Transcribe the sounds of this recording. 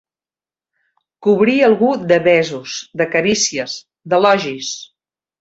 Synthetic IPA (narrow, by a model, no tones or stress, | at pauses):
kuβɾiəlˠɣud̪əβɛzusðəkəɾisiəs | d̪əlɔʒis